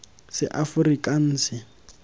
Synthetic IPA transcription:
sɪ̰ʔafʊrikʼan̩ːsɪ

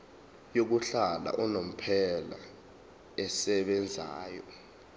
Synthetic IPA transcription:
jok̬uɬala̰ʔɔnom̩pʰɛla̰ | ɛsɛɓɛnd͡zʱa̰ːjɔ

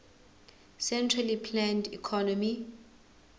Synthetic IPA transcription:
sɛntʰralipʰlandikʰɔnɔmi

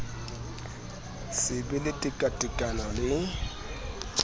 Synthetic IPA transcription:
sɪbɪlɪtʼɪkʼatʼɪkʼanɔlɪ

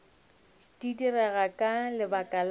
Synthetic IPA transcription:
d̥idirɛɣakʼalɪbakʼal

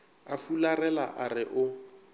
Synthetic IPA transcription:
afularɛlaʔarɪʔʊ

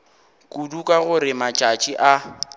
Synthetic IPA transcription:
kʼudukʼaɣʊɾɪmat͡ʃʼat͡ʃʼiʔa

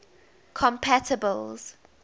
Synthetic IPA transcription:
kʰɔ̃mpʰatʰəbəlz̥

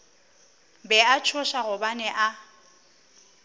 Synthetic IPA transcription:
bɛat͡ʃʰʊʃaɣʊbanɛʔa

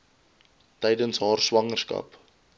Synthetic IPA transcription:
tɛjdənsɦɑːrswɐŋərskɐ̰p

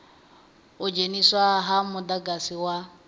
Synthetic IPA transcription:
ʊd͡ʒeniswaɦamʊdaɡasɪwa

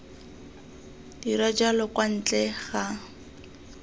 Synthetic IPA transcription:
d̥irad͡ʒalɔkwan̩t͡ɬɛɣa

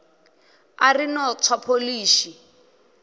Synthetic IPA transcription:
a̰rinɔt͡sʰwapʰoliːʃi

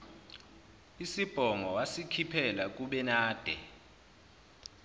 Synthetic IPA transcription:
isib̥ʱɔŋɔwasikʰipʰɛlak̬ʼuɓɛnaːd̥ʱɛ̰

